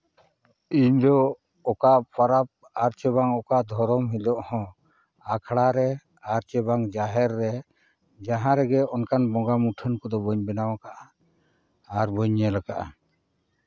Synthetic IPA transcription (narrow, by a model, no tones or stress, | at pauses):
iɲd̪ɔ | ɔkaʔpaɾap̚ | aɾt͡ʃɛbaŋɔkaʔd̪ʱɔɾɔmɦilɔʔhɔ̃ | akʰɽaɾɛ | aɾt͡ʃɛbaŋd͡ʒaɦɛɾːɛ | d͡ʒaɦãɾɛɡɛɔnkanbɔ̃ɡamuʈʰənkɔd̪ɔbɔɲbɛnawakaʔaː | ɾbɔɲːɛlakaʔa̰